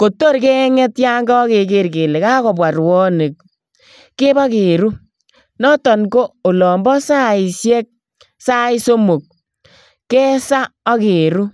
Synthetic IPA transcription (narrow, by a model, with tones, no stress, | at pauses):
ko˨tːo˦ɾke˦ŋɛ˦tja˦ŋɡɔ˦ke˨ke˨ɾke˨le˨ka˦kɔ˨bwa˨ɾwɔ˦ne˨k̚ | ke˦ba˦ke˨ɾu˦ | nɔ˦tɔ˨nko˦o˨lɔ˨mbɔ˦sa˦i˨sjɛ˦k̚ | sa˦i˦so˦mo˨k̚ | kːɛ˦sa˦ɔ˦ke˨ɾu˦